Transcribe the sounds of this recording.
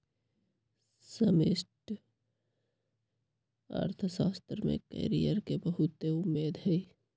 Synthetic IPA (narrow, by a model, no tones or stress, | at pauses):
səmɪsʈ | ə̰ɾt̪ʰəsaːst̪ɾmḛ̃kə̰ɾijəɾkebɐɦʊt̪ːeʊmːeːd̪ɦɛ